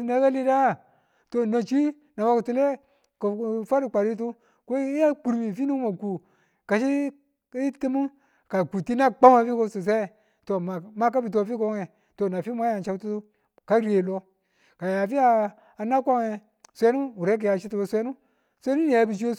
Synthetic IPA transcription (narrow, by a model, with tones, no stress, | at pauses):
ne˨˦ka˦li˦da˦˨ | to˨no˨t͡ʃi˦ | na˨wa˦ku˨tu˦le˦ | ku˨˦fa˦ɾi˨k͡pa˨ɾi˦t̬u˦ | ko˦a˦k͡pu˨ɾmi˨fi˦nu˦mo˨ku˨ | ka˨ʃi˦ | ti˦mu˦ | ka˨ku˨ti˦na˦k͡pa˦ma˨fi˦ko˦su˨s̬e˦˨ | to˨ma˦k̬a˦bi˨t̬o˦fi˦ko˦ŋe˨ | to˨na˨fi˦m˦a˦ja˨nt͡ʃa˦tu˦ | ka˦ɾe˨lo˦ | ka˨ja˨fi˦aː˨ | na˦kʷa˦ŋe˨ | sʷe˦nu˦wu˨ɾe˦ki˨ja˨t͡ʃi˦tu˨o˨sʷe˦nu˦ | sʷe˦nu˦ni˨ja˨˦bi˨t͡ʃ̬i˦o˦